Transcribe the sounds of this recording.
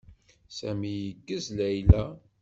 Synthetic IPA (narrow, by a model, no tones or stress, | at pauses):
sæmijəɡːəzlæjlæ